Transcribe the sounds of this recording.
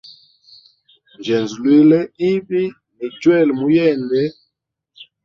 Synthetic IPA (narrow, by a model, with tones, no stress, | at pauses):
n˨d͡ʒɛ˨nzu˨lwe˦lɛ˦i˦bi˦ | ni˨d͡ʒwɛ˦˨lmu˨jɛ˦˨ndɛ˨˦